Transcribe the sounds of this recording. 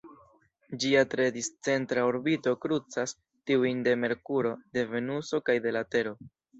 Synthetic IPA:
d͡ʒiatɾe̞dist͡se̞ntɾaoɾbito̞kɾut͡sas | tiujnde̞me̞ɾkuɾo̞de̞ve̞nuso̞kajde̞late̞ɾo̞

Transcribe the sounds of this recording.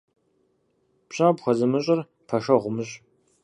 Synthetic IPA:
pɕabxʷɐzɐmɨɕʼɐr | pʰɐʂɐʁʷʊmɨɕʼ

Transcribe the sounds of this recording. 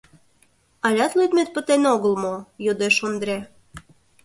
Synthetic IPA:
ɑlʲɑt̪løt̪met̪̚pə̆t̪enoɣəlmojod̪eʃond̪ɾʲe

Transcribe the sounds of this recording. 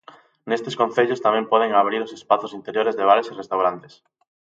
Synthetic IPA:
nest̪eskõnθeʎʊst̪amɛ̃mpɔð̞eŋaβ̞ɾiɾosespaθʊsint̪eɾjoɾezðeβ̞aɾesirest̪awɾant̪e̥s

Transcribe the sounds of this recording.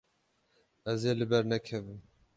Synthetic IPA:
ɛzjelɨbɛɾnɛkʰɛvɨm

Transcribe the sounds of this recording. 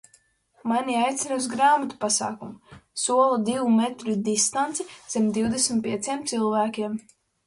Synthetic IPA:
manʲiajt̪sʲinas̬ɡɾaːmat̪u̥pasa̰ːkumusuɔlˠud̪iwumɛt̪ɾud̪ist̪ant̪siz̥ɛmd̪iwd̪esmʲt̪̚pʲiɛt̪siɛmt̪silˠvæːkʲiɛm

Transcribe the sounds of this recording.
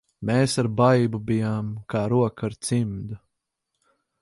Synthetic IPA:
meːsaɾbajbubijaːmkaːɾuɔkaɾt̪simd̪u

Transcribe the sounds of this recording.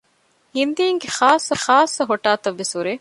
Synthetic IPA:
hind̪iːŋɡeχaːsːɐχaːsːɐɦoʈaːt̪ɐʋːesuɾeː

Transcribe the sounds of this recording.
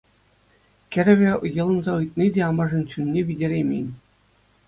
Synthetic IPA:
kʲɘ̆ɾʲɘ̆ʋʲĕjɤ̆lˠɤ̆nzɑɯjt̪̚nʲidʲeɑmɑʐɤ̆nt͡ɕynʲːeʋʲidʲeɾʲemʲḛnʲ

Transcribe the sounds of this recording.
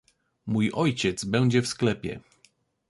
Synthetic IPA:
mujɔjt͡ɕɛt̪zbɛw̃d͡ʑɛfsklɛpʲjɛ̰

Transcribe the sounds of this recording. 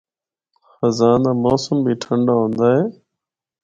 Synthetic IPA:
xəzaːnaːmoːsəmbʱiːʈʰəɳɖaːɦõːnd̪aːɦeː

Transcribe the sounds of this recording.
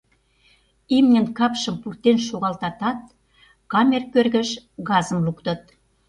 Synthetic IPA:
imnʲə̆nkɑpʃə̆mpurt̪enʃoɣɑlt̪ɑt̪ɑt̪̚ | kɑmʲerkørɣə̆ʃɣɑzə̆mlukt̪ɤ̆t̪̚

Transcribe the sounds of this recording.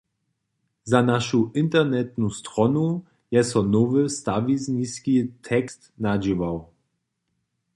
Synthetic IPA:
zanaʃuʔɪnt̪ɛʁnɛt̪̚nust̪ɾɔnu | jɛsɔnɔvɨst̪avizniskit̪ʰɛkst̪nad͡ʒivaw

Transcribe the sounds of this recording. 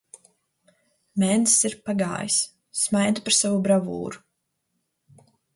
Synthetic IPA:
mɛnsiɾpaɡa̰ːjisː | majd̪apaɾsavubɾavṵːɾu

